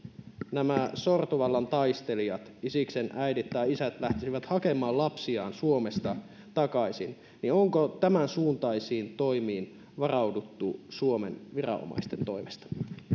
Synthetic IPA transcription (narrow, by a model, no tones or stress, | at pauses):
næmæsort̪oʋɑlːɑnt̪ɑjst̪e̞liɑt̪isikse̞nʔæjdit̪ːɑjisæt̪læht̪isiʋæt̪hɑke̞mˑɑːlɑpsiɑ̰ːnsuo̞me̞st̪ɑ | t̪ɑkɑjsin | nio̞ŋkot̪æmænsuːnt̪ɑjsiːnt̪o̞imiːn | ʋɑrɑwdut̪ːusuo̞mḛnʋirɑ̰o̰mɑ̰jst̪ent̪o̞jmest̪ɑ̥